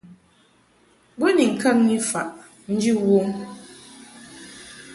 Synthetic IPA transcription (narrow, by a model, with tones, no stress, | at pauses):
bo˦ni˨ŋ̩˨ka˦k̚ɲi˦fa˨ʔ | n̩˦d͡ʒi˦wo˦ŋ